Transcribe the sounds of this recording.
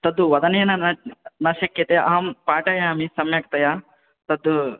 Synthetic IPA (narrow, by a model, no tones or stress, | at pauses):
t̪ɐd̪uʋɐd̪ɐneːnɐnɐnɐʃɐkjɐt̪eʔɐɦɐmpaːʈɐjaːɐmisɐmjɐkt̪ɐjaː | t̪ɐd̪u